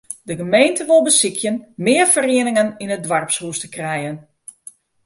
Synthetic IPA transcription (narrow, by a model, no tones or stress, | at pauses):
dəɣəmejntəʋʊlˠbəsikʰjənmɪːərfərɪənɪŋəninədʋarpshuəstəkrɛjən